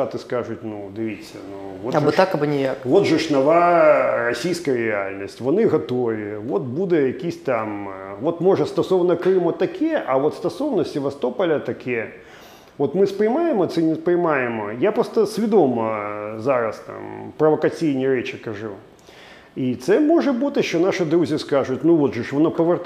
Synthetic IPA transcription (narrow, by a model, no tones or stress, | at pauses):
at̪ɨskaʐʊtʲnud̪ɨvʲit͡sʲːɐ̰nu | vot̪aɨt̪akɐbɨnʲɪjakvot̪ʐɨʂnɐvarɐsʲijskəjɾʲɪa̰lʲnɐsʲtʲvɐnɨɣɐt̪ovʲɪvot̪̚bud̪ɨjɐkʲisʲtʲt̪amvot̪mɔʐɐst̪ɐsɔwnɐkɾɨimɐt̪ːɐkʲijɛʔɐvot̪st̪ɐsownɐsʲɪvɐst̪opɐlʲɐt̪ɐkʲʰijɛ | ʋɔt̪mɨspɾɪjmajɪmɔt̪sɛnʲɪspɾɪjmajɪmɔjapɾost̪ɐsʲvʲɪd̪omɐzaɾɐst̪a̰mpɾɐʋɐkɐt͡sʲijnʲiɾɛt͡ʃɪkɐʐu | it̪sɛmɔʐɐbut̪ɨʃt͡ʃɔnaʂɨd̪ɾuzʲɪskaʐʊtʲnuʋot̪ʐɨʂʋɔnɔpɐʋɨr